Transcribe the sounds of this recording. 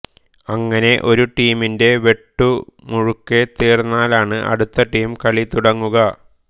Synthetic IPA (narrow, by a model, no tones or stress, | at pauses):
ɐŋːɐne̞ʔo̞ɾuʈiːminde̞ʋe̞ʈːumuɻukːet̪eːrnːaːlaːɳɨʔɐ̰ɽut̪ːɐʈiːmkɐɭit̪uɽɐŋːuɣɐ